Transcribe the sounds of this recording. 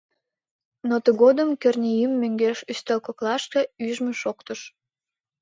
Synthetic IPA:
not̪əɣod̪əmkø̆rnʲijymːø̆ŋɡeʃyst̪elkoklɑʃt̪e̽yʒmøʃokt̪əʃ

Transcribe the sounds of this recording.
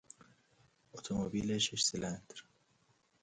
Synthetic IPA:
ot̪ʰomobiːleʃeʃselænd̪ɾ

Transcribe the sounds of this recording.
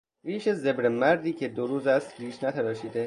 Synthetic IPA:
viːʃeze̞bɾemæɾd̪iːcʰe̞d̪oɾuːzæst̪ɾiːʃnæt̪ʰæɾɒːʃiːd̪e

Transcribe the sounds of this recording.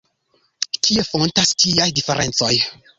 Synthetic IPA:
kiefontastiajdifeɾent͡soj

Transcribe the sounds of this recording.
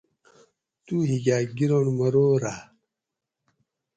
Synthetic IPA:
t̪uɦiɡaːɡiɾonmɐɾoːɾa

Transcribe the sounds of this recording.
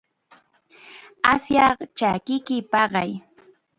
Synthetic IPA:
asjɑχt͡ʃakɪkɪpɑɢɑj

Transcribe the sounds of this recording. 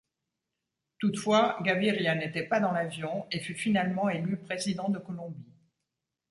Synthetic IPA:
t̪ut̪fwaɡaviʁjanet̪ɛpad̪ɑ̃lavjɔ̃efyfinalmɑ̃elypχezid̪ɑ̃d̪əkɔlɔ̃bi

